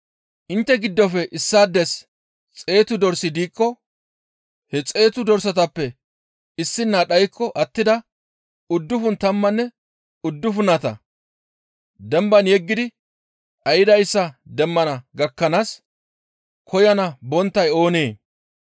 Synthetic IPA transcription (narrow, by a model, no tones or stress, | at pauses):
ʔɪnt̪ːɛɡɪd̪ːɔfɛʔɪsːaːd̪ːɛs | t͡sʼe̞ːt̪ʊd̪ɔɾsɪd̪iːkːɔ | hɛt͡sʼe̞ːt̪ʊd̪ɔɾsɐt̪ɐpːɛ | ɪsːɪnːaːɗɐjkʰːɔʔɐt̪ːɪd̪ɐ | ʊd̪ːʊfʊnt̪ɐmːɐnːɛ | ʊd̪ːʊfʊnɐt̪ɐ̰ | d̪ɛmbɐnjɛɡːɪd̪ɪ | ʔɐjɪd̪ɐjsːɐd̪ɛmːɐnɐɡɐkːɐnaːs | kʰɔjɐnɐbɔnt̪ːɐjo̞ːneː